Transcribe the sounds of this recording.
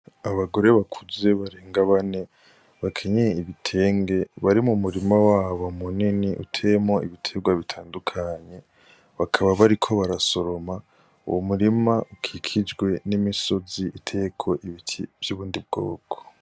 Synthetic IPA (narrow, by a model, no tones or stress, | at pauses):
aβaɡo̞ɾe̞βakʰuze̞βaɾeːŋɡaβane̞ | βakʰe̞ɲeiβitʰe̞ːŋɡe̞βaɾimumuɾimawaːβomuniniʔṵtʰemo̞iβitʰe̞ɡwaβitʰaːndukʰaɲe̞ | βakʰaβaβaɾikʰo̞βaɾaso̞ɾo̞ma | ṵwomuɾimaʔukʰikʰid͡ʒɡwe̞nimiso̞ziʔitʰe̞kʰo̞ʔiβitʰivjuβuːndib̚ɡo̰ːkʰo̥